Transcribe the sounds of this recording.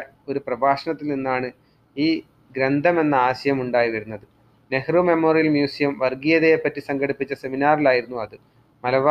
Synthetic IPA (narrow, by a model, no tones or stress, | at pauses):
o̞ɾuprɐbaːʂɐɳɐt̪ːilninːaːɳɨ | iː | ɡɾend̪ʱɐme̞nːɐaːɕɐjɐmuɳɖaːjiʋɐɾunːɐðɨ | ne̞hrume̞mo̞ːrijɐlmjuːsijɐmʋɐrɡijɐðeepːɐtːisɐŋɡɐɽipːit͡ɕːɐse̞minaːrilaːjiɾunːuɐðɨ | mɐlɐʋa